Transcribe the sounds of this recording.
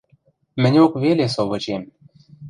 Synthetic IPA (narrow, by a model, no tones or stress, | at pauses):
mɘ̆nʲokβelesoβɤ̆t͡ɕem